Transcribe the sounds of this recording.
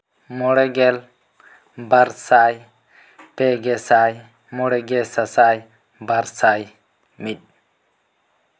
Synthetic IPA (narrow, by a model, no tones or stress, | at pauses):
mɔɽɛɡɛl | baɾsaj | pɛɡɛsaj | mɔɽɛɡɛsasaj | baɾsaj | mit̚ˀ